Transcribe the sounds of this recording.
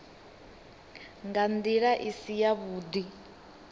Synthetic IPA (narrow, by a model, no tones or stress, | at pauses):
ŋɡand̪iɺaʔisijaβuːd̪i